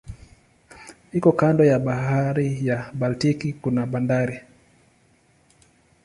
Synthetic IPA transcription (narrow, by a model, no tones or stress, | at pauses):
hikɔkandɔjaɓaɦaɾijaɓaltikikunaɓandaɾi